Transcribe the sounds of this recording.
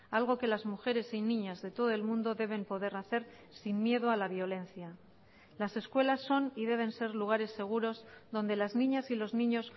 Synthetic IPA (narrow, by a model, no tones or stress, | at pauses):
alɣ̞o̞ke̞lazmuxe̞ɾe̞sinĩɲazðe̞t̪o̞ð̞o̞e̞lmũnd̪o̞ðe̞β̞e̞mpo̞ð̞e̞ɾnaθe̞ɾ | simːje̞ðoalaβjo̞le̞n̟θja | lase̞skwe̞lasːo̞niðe̞β̞e̞nse̞ɾluɣ̞aɾe̞sːe̞ɣ̞uɾo̞zðo̞nd̪e̞lazniɲasilo̞znĩɲo̞s